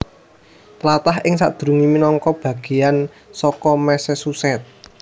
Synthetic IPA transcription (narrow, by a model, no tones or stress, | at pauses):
t̪lat̪aɦʔɪŋsa̰ʔd̪̥ɾuŋiminɔŋkɔb̥a̤ɡ̥e̤jan | sɔkɔmɛsɛsusɛt̪̚